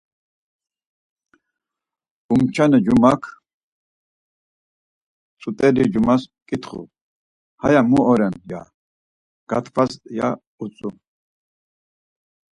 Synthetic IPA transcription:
umt͡ʃʰanɛd͡ʒumakʰ | t͡sʰʼut̪ʼɛlid͡ʒumaskʼit̪χṵ | hajamuɔɾɛnja̰ | ɡ̥at̪ʰvʰasja̰ | ut͡sʼu

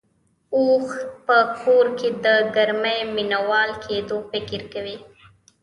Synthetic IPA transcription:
oxpəkʰoɾked̪əɡaɾməjminawɑlkʰed̪ofɪkɪɾkawi

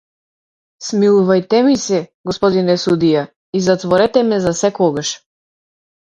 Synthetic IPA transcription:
smilˠuvajt̪ɛmisɛɡɔspɔd̪inɛsud̪ija | izat̪vɔɾɛt̪ɛmɛzasɛkɔɡaʃ

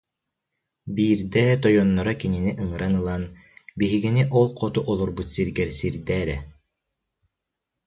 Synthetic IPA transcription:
biːɾd̪ɛːt̪ɔjɔnːɔɾakininiʔɯŋɯɾʔanɯlˠan | biɦiɡiniʔɔlˠqʰɔt̪uʔɔlˠɔɾbut̪siɾɡɛɾsiɾd̪ɛːɾɛ

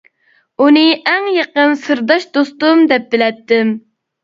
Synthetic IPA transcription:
unɨʔɛŋjeqənsɨɾd̪ɑʃd̪ost̪umd̪ɛp̚bɪlɛt̪ːɪm

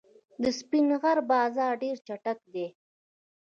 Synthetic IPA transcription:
d̪əspinɣaɾbɑːzɑɾɖeɾt͡ʃaʈakd̪e

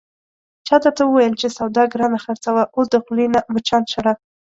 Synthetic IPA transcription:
t͡ʃɑt̪əɾt̪awəwajəlt͡ʃesawd̪ɑɡɾɑnaxaɾt͡sawaʔʊld̪əqʊlinamət͡ʃɑnʃaɾɑf

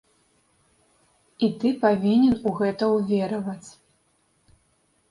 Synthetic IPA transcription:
it̪ɨpavʲinʲɛnuɣɛt̪ɐwvʲɛɾɐvɐt͡sʲ

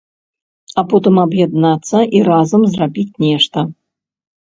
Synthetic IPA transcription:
apɔt̪ɨmabjad̪nat̪sːɐʔiɾazɐmzrabʲit͡sʲnʲɛʂt̪ɐ

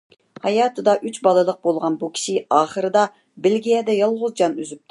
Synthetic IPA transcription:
hɑjɑːt̪ʰɨd̪ɑʔyt͡ʃbɑlˠɨlˠəq̚bolˠʁɑnbukʲʰi̥ʃɪɑːχəɾɨd̪ɑ | bɪlɡʲijɛd̪ɛjɑlˠʁʊzd͡ʒɑnyzyp̚t̪ʰ

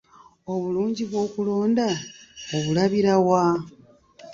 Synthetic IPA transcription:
o̞βuluːɲɟiβwo̞ːkulo̞ːndaoβulaβiɾawa

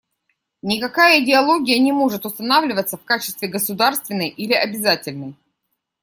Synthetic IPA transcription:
nʲɪkɐkajəɪdʲɪɐlˠo̞ɡʲɪjənʲɪmo̞ʐɨt̪ʊst̪ɐnavlʲɪvət̪səfkat͡ɕɪst̪vʲɪɡəsʊd̪arst̪vʲɪnːəjʔilʲɪʔɐbʲɪzatʲɪlʲnəj

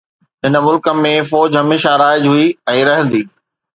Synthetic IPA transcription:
ɦɪnəmʊlkəmːẽfɔːd͡ʑɦɐmeːʃaɾaːɪd͡ʑɦuiɛ̃ːɾɐɦə̃nd̪iː

